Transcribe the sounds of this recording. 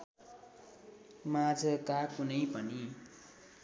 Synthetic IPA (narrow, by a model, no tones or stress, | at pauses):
mad͡zʌkakunʌjpʌni